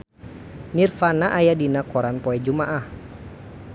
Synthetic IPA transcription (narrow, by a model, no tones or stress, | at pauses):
nirfanaʔajadinakɔɾanpɔɛd͡ʒumaʔah